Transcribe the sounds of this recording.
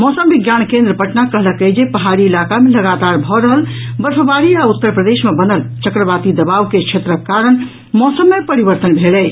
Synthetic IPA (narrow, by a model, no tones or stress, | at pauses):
mɔsəmbiɡjankẽnd̪ɾəpəʈnakəɦləkəjd͡ʒepəɦaɾiːlakameləɡat̪aɾbʱɔɾəɦəl | bəɾpʰəbaɾiaut̪ːəɾpɾəd̪esmebənəlt͡ʃəkɾəbat̪id̪əbaʋket͡ʃʰet̪ɾəkːaɾən | mɔsəmːepəɾibəɾt̪ənbʱelɛj